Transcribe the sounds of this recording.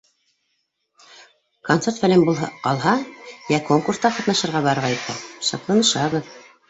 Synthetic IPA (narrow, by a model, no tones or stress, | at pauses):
kont̪sert̪fælɘmbulˠɦɑqɑlˠɦɑjækoŋkurst̪ɑqɑt̪nɑʃɤ̆ɾʁɑβɑɾʁɑjp̪ɑʃɑ̰t̪lˠɑnɤ̆ʃɑβɤð